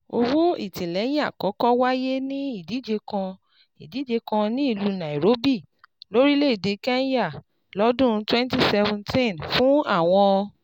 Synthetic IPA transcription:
o̰˧wo˦ḭ˦˨ti˨lɛ˨˦j̃a˦˨kɔ˨˦kɔ˦wa˦je˦nĩ˦i˦˨di˨˦d͡ʒe˧kã˧ | i˨di˨˦d͡ʒe˧kã˧nĩ˦i˦˨lu˨˧nã˨i˨ɾo˨˦bi˦˨ | lo˦ɾi˦le˦i˦˨de˨˧˨kɛ˦n˦ja˦˨ | lɔ˦dũ˦˧twɛ̃˦n˦ti˦sɛ˧vɔ̃˨ntĩ˦˨nfũ˨˦a˦˨w̃ɔ̃˧

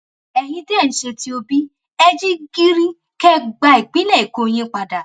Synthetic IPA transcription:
ɛ˨j̃ĩ˧dɛ˦ɛ˦˨n̩˨˦ʃe˧ti˦o˧bi˦ | ɛ˦d͡ʒi˦ɡi˦ɾi˦ | kɛ˦ɡ͡ba˧i˨k͡pi˨˦lɛ˦˨i˨ko˧j̃ĩ˧k͡pa˨da˨

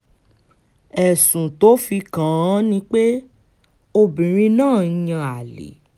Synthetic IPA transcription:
ɛ˨sũ˨to˨˦fi˧kã˨˦nĩ˧k͡pe˦ | o˧bĩ˨ɾ̃ĩ˧nãː˦˨˦jã˧a˨lḛ˨˦

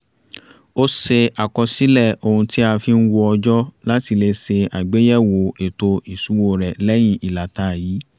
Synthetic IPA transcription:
o˧se˧a˨kɔ˧si˦lɛ˦˨o˨hũ˧ti˦a˧fi˧n̩˦wo˧˦ɔ˧d͡ʒɔ˦la˦ti˧le˧˦se˧a˨ɡ͡be˨˦jɛ˦wo˨e˨to˧i˨su˨˦wo˦˧˨ɾɛ˨lɛ˦j̃ĩ˦˨ʔi˨la˨ta˨˦˨jiː˨˦

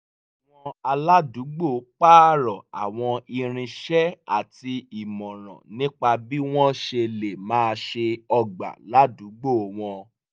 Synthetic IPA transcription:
aa˨w̃ɔ̃˧a˧la˦du˨˦ɡ͡bo˦˨˦k͡pa˦˨ɾɔ˨a̰˨w̃ɔ̃˧i˧ɾ̃ĩ˧ʃɛ˦a˦˨ti˧i˨mɔ̃˨ɾ̃ɔ̰̃˨nĩ˦k͡pa˧bi˦w̃ɔ̃˦ʃe˧le˨mãː˦˧ʃe˧ɔ˧ɡ͡ba̰˨la˦du˨˦ɡ͡bo˦˨w̃ɔ̃˧

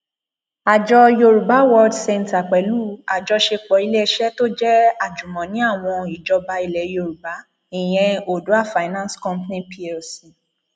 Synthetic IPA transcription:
a˨d͡ʒɔ˧jo˧ɾu˨ba˨˦wɔ˧dsɛ̃˦˧nta˨k͡pɛ˨lu˦a˨d͡ʒɔ˧ʃe˧k͡pɔ˨i˧lɛ˦ʃɛ˦to˦d͡ʒɛ˦a˨d͡ʒu˨mɔ̃˨nĩ˨˦a˦˨w̃ɔ̃˧i˨d͡ʒɔ˧ba˧˦i˧˨lɛ˨jo˧˨ɾu˨ba˨˦ | i˨j̃ɛ̃˧o˨du˨˦a˦˨fa˨i˦nã˦skɔ̃˦mpnĩ˦pʰi˦o˨si˨

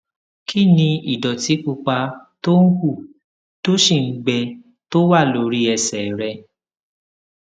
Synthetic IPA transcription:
kʰi˦nĩ˧i˨dɔ˨ti˨˦k͡pu˧k͡pa˧to˦ŋ̩˦hu˦˨ | to˦ʃi˦˨ŋ̩˦ɡ͡bɛ˧ | to˦wa˦˨lo˨˧ɾi˦ɛ˧sɛ˨ɾɛ˧

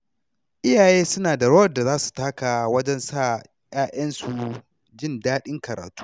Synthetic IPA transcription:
ʔɪ˦jaː˨jeː˦sʊ˦naː˨da˨ɽoː˦ɐ˨da˨zaː˦su̥˨taː˦ka˨wɐ˦d͡ʒɛ˦nsa˦˨ | j̰aː˦ʔɐ˦nsu˨ | d͡ʒɪ˦˨ndaː˦ɗɪ˦ŋkɐ˨ɾa̰ː˨tu̥ː˦

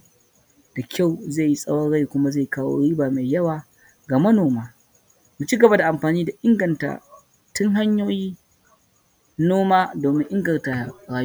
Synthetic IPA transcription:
d̥a˨kʲʰa˦˨wze˦˨ji˦sʼɐ˦wɐ˦rɽa˦˨jkʷʊ˦ma˦za˦˨kaː˦wo̰˦ɽiː˦baː˨me˨jjːɐ˦waː˨ | ɡa˨mɐ˦noː˨maː˦ | mu˨t͡ʃi˦ɡɐ˨ba˦da˨ʔa˨mɸaː˨niː˦da˨ʔɪ˦ŋɡɐ˨nta̰ː˨ | tʊ˦ŋɦa˦ɲjoː˦jiː˦ | noː˦maː˦doː˨mɪ˦ŋʔɪ˦ŋɡɐ˨rta˨ɾaː˦juː˦

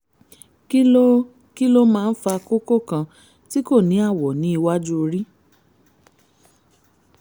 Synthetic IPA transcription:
ki˦o˦ | ki˦lo˦mãː˦˧n̩˦fa˧ko˦ko˦˨kã˧ | ti˦ko˦˨nĩ˨˦a˦˨wɔ˨nĩ˨˦i˧wa˦d͡ʒu˦o˧ɾi˦

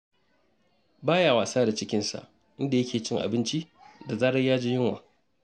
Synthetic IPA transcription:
baː˦jaː˨waː˨saː˦da˨t͡ʃɪ˦kʲɪ˦nsa̰˨ʔ | ʔɪ˦nda˨ja˦kʲʰeː˨t͡ʃɪ˦ŋʔa̰˨bɪ˦nt͡ʃi˦da˨zaː˦ɽɐ˦jjaː˦d͡ʒɪ˦jɪ˦ŋwa̰ː˨

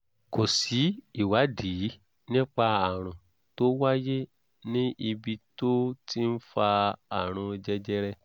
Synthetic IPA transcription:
ko˨si˨˦i˦˨wa˨˦di˨˦ | nĩ˦k͡pa˧a˨ɾ̃ũ˨ | to˦wa˦je˦ | nĩ˦ʔi˧bi˧to˦ti˦n̩˦fa˧a˨ɾ̃ũ˧d͡ʒɛ˧d͡ʒɛ˦ɾɛ˧

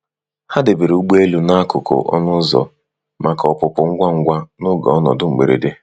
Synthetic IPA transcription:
ha˦dɪ˨be˨ɾu˨˦ɡ͡be˦lu˨na˦a˦kʊ˨kʊ̰˨ʔɔ̰˦nʊ˦zɔ̰˨ | ma˨ka˨ɔ˨pʊ˨pʊ˨ŋ̩˦ɡʷa˦ŋ̩˦ɡʷa˦nʊ˦ɡɔ̰˨˦nɔ̰˨dʊ˦ŋ͡m̩˨ɡ͡be˨ɾḛ˨de˦

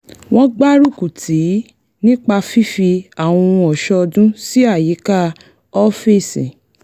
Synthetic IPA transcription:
w̃ɔ̃˦ɡ͡ba˦ɾu˦˨ku˨tʰi˨˦ | nĩ˦k͡pa˧fi˦fi˧a˨w̃ɔ̃˧ɔ˨ʃɔ˧dũ˦si˦a˦˨ji˨˦ka˦ | ɔ˦fi˦˨sĩ˨

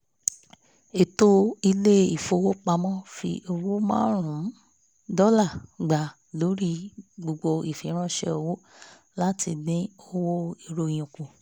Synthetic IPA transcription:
e˨to˦i˧le˦i˨fo˧wo˦k͡pa˧mɔ̃˦fḭ˧ʔo˧wo˦mã̰ː˦ɾ̃ũ˨˦ | dɔ˦la˦˨ɡ͡ba˨ | lo˨˦ɾi˦ɡ͡bo˧ɡ͡bo˧i˦˨fĩ˨˦ɾ̃ã˦˨ʃɛ̰˧˦o˧wo˦ | la˦tʰi˧nĩ˦o˦wo˦i˨ɾo˧j̃ĩ˨ku˨

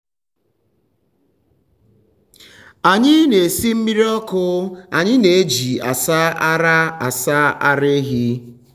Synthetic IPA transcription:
a˨ɲɪ˦ne˨si˦m̩˦mi˦ɾi˦ɔ˦kʊ˦a̰˨ɲɪ˦ne˨e˦d͡ʒi˨a̰˨sa˦a˦ɾa˦a˨sa˦a˦ɾɪ˦ɦi˦

